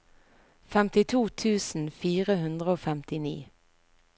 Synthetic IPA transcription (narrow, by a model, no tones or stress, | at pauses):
fɛmt̪ɪt̪ʰuːt̪ʰʉːsn̩fiːʁəɦʉnd̪ʁəoːfɛmt̪ɪnḭː